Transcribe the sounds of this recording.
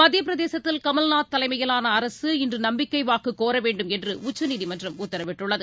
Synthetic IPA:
mɐd̪jɐp̬ɪɾɐðeːsɐt̪ːɪlkɐmɐlnaːt̪ːɐlɐɪmɐjɐlaːnɐːɾɐsɯɪndrɯnɐmbɪkːɐɪʋaːkɯkːoːɾɐʋeːɳɖɯmɛndrɯʊt͡ʃːɐniːðɪmɐndrɐmʊt̪ːɐɾɐʋɪʈːɯɭːɐðɯ

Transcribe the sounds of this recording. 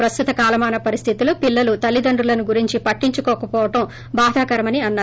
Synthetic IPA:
pɾɐst̪ʰut̪ɐkaːlɐmaːnɐpɐɾist̪ʰit̪iloːpilːɐlut̪ɐlːid̪ɐɳɖulɐnuɡuɾiɲt͡ʃipɐʈːiɲt͡ʃukɔːkɐpɔːʋɐʈɐm | baːd̪ʱaːkɐɾɐmɐniɐnːaː

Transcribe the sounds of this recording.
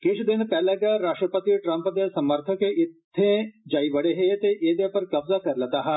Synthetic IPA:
keʃd̪ɪnpɛɦlaɡɐɾaːʂʈɾəpət̪iʈɾɐ̃mpəd̪esɐməɾt̪ʰəkeʔɪt̪ʰːẽd͡ʒaːibəɽeɦet̪eʔeːd̪epɐɾkɐbzakʰɐɾlɐt̪aɦɐ

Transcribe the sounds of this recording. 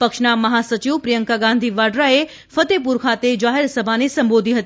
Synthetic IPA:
pəkʃnamɐɦasət͡ʃiʋpɾijəŋkaɡãnd̪ʱiʋaɖɾae | fət̪ep̬uɾkʰat̪ed͡ʒaɦeɾsəbʱanesəmbod̪ʱiɦət̪i

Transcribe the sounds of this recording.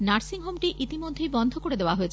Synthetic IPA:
naɾsiŋɦomʈiʔit̪imod̪ʱːejbɔnd̪ʱokoɽed̪eoaɦojet͡ɕʰ

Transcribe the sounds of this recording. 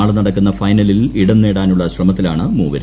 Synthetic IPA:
aːɭnɐɽɐkːunːɐfɐjnɐliliɽɐnːe̞ːɽaːnuɭːɐɕrɐmɐt̪ːilaːɳɨmuːʋɐɾ

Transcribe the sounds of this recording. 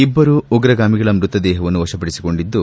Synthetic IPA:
ibːɐɾuuɡɾɐɡaːmiɡɐɭɐmɾut̪ɐd̪ɛːɦɐʋɐnːuʋɐʃɐpɐɽisi̥ko̞ɳɖid̪ːu

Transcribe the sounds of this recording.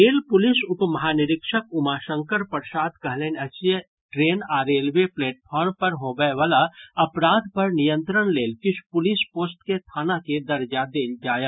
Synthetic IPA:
eːlpʊlɪsʊpmɐɦaːnɪɾɪkʃəkʊmaːʃə̃ŋkəɾpɐɾsaːt̪kɐɦleːnɐt͡ʃjə | ʈɾeːnaːɾeːlʋeplɛːʈ̚pʰɔːɾmpɐɾɦoːɡəeʋəlaɐpɾaːd̪̚pɐɾnɪjə̃nt̪ɾəɽ̃leːlkɪʃʰpʊlɪspoːsʈket̪ʰaːnaked̪ɐɾd͡ʒad̪eːld͡ʒaːjə

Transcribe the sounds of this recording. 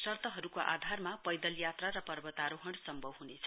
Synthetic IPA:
sʌrt̪ʌɦʌɾukoʔa̰d̪ʱarmapʌjd̪ʌljat̪raɾʌpʌrbʌt̪aɾoɦʌɽsʌmbʱʌbɦunet͡sʰʌ

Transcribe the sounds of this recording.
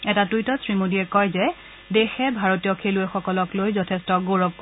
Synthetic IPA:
ɛtatujtɔsɹimodiɛkɔjzɛ | dexɛbʱaɹotijɔkʰeluɛxɔkɔlɔklojzɔtʰɛstɔɡoɹɔb̚k

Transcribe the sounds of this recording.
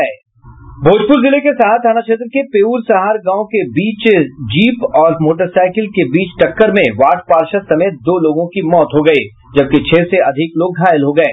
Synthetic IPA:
eː | bʱoːd͡ʒpʊːɾzɪlekesaat̪ʰanaʃeːt̪̬ɾəkepeːuːɾsɐɦaːɾɡãːõkebiːt͡ʃd͡ʒiːpɔːɾmoːʈ̬əɾsaːɪkɪlkebiːt͡ʃʈɐkːəɾmẽʋaːʈʰpaːɾʃəsɐmeːt̪̚d̪oːloːɡõkimɔːt̪ɦoɡɐiː | d͡ʒɐb̚ket͡ʃʰeːseɐd̪ʱɪkloːɡːʱaːjəlɦoɡɐḛː

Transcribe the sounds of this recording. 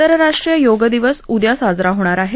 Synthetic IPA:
əɾɾaʂʈɾijəjoɡəd̪iʋəsud̪jasad͡zɾaɦoɽ̃aɾaɦe

